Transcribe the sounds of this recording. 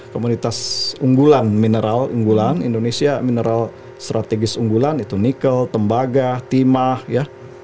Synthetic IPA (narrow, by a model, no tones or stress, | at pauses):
komunit̪asuŋɡulanminəɾalṵŋɡulanḭndonesiaminəɾʔal | st̪ɾʔat̪eɡɪsuŋɡulanit̪unikəlt̪əmbaɡat̪imahja